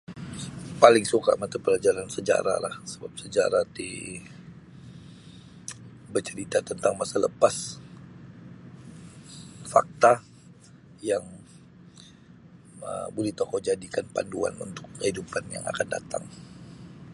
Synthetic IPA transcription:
palɪŋsukamat̪ipəlad͡ʒaɾansəd͡ʒa̰ɾa̰lahsəbap̚səd͡ʒaɾat̪i | bərt͡ʃəɾit̪at̪ənt̪aŋmasaləpas | fa̰k̚t̪a | jaŋ | ə̰buliht̪okɔd͡ʒadikanpa̰ndua̰nṵnt̪ʊkːəhidupanja̰ŋa̰kanda̰t̪a̰ŋ

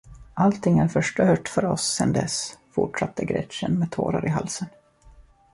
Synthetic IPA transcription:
ʔalt̪ʰɪŋːæɾfœʂʈœːʈfœɾɔsːɛnd̪ɛsfʊ̰ʈʂat̪ʰːəɡɾɛ̰t̪ɕənmeːd̪̚t̪ʰo̰ːɾa̰ɾɪɦalsən

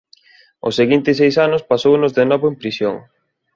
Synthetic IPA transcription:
ʊ̰seɣint̪ɪs̬ejsanʊspasownʊzðenɔβʊempɾisjoŋ

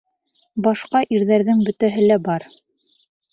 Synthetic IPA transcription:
bɑʃqɑʔiɾðæɾðɘŋbɵ̆t̪æɦɘlæbɑɾ

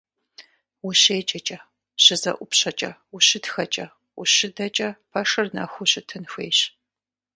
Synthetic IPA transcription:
wʊɕeːt͡ʃʼɐt͡ʃʼɐ | ɕɨzɐ̰ʔʷʊpɕɐt͡ʃʼɐ̰wʊɕɪtxɐt͡ʃʼɐ | wʊɕɪdɐt͡ʃʼɐpʰɐʂɨrnɐ̰xʷʊɕɨtʰɨnxʷḛːɕ

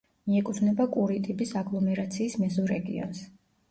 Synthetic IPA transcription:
miɛkʼut̪ʰvnɛbakʼuɾit̪ʼibisaɡlˠɔmɛɾat̪sʰiːsmɛzɔɾɛɡḭɔ̰ns

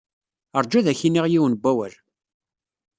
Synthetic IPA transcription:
əɾˤd͡ʒæðæçinːiʁjiwənbʷːæwæl

